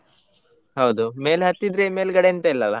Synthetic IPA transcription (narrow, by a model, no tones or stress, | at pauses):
ɦɐwd̪umeːlɦɐt̪ːid̪ɾeːmeːlɡɐɽent̪ɐilːɐlɐ